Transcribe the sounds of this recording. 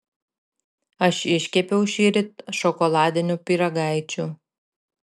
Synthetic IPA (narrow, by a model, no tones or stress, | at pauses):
ɐʃɪʃʲkʲɛpʲɛʊʃʲiːɾʲɪt̪ʲʃɔkɔlˠɑːd̪ʲɪnʲʊpʲiˑɾɐɡɑɪt͡ʃʲu